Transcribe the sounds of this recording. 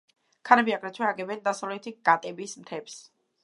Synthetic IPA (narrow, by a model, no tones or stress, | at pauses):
kʰaɾɛbiaɡɾɛt͡ʃʰwɛaɡɛbɛnd̪asavlɛt̪ʰiɡ̥at̪ʼɛbismt̪ʰɛps